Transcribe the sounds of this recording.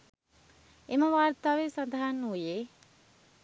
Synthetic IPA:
eməʋaːrt̪aːʋesand̪aɦanːujeː

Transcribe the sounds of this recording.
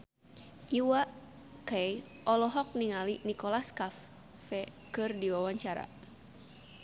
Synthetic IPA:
ʔiwaʔ | kaj | ʔɔlɔɦɔk̚niŋalinikɔlaskafː | ɛ | kɨrdiwawaɲt͡ʃaɾa̰

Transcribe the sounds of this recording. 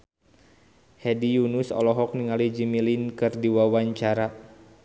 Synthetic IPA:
hɛdijunusɔ̰lɔɦɔk̚niŋalid͡ʒimilinkɨrdiwawaɲt͡ʃaɾa

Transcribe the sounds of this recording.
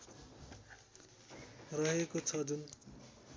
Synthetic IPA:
rʌɦekot͡sʰʌd͡zun

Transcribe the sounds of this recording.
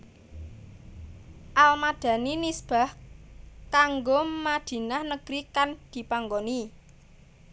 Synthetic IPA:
ʔalmad̪̥ä̤ninisb̥a̤h | kaŋɡomad̪̥i̤nahnəɡ̥ɾikand̪̥i̤paŋɡoni

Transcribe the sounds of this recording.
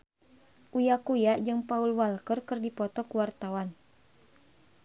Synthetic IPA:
ʔujakujad͡ʒɨŋpaulwalkərkɨrdipɔt̪ɔkuwart̪awan

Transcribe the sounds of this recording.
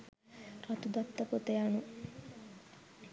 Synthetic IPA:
rat̪ud̪at̪ːɐkot̪ejanu

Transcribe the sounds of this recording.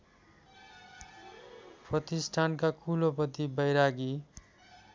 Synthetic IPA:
prʌt̪isʈʰankakʰulopʌt̪ibʌjɾaɡi

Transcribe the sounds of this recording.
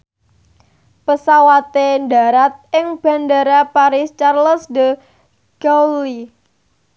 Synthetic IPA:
pəsawat̪endaɾat̪̚ʔɪŋb̥a̤ndaɾapaɾɪst͡ʃarləsdə | ɡ̥awli

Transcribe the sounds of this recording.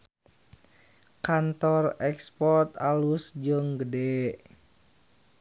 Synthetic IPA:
kant̪ɔrɛkspɔrt̪alusd͡ʒəŋɡədɛ

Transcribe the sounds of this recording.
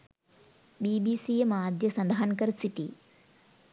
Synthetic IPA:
biːbisijemaːd̪jɐsɐnd̪ɐɦɐnkɐɾsiʈḭ

